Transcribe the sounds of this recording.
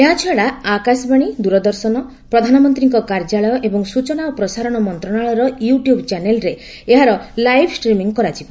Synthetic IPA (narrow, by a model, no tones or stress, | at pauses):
eɦat͡ʃʰaɽaakasbaɽ̃id̪uɾɔd̪ɔɾsɔnɔ | pɾɔd̪ʱanɔmɔnt̪ɾiŋkɔkaɾd͡ʒaɭɔjɔʔebɔŋsut͡ʃɔnaɔpɾɔsaɾɔɽ̃ɔmɔnt̪ɾɔɳaɭɔɾɔjuʈjubt͡ʃanelɾe | eɦaɾɔlajbʰʱsʈɾimiŋkɔɾat͡ʃibɔ